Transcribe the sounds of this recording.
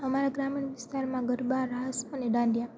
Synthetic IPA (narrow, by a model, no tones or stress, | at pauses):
əmaɾaɡɾamiɳʋɪst̪aɾmãɡəɾbaɾaɦəsəneɖãnɖja